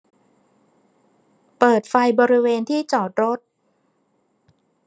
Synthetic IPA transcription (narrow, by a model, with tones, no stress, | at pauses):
pɤː˨˩t̪̚fa˧jbɔː˧ɾi˦˥weː˧nt̪ʰiː˥˩t͡ɕɔː˨˩t̪̚ɾo˦˥t̪̚